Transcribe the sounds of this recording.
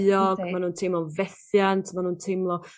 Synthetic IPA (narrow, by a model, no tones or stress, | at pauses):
ɔɡ̥manuːntʰejmlˠɔvɛθjantʰmanuːntʰemlˠɔ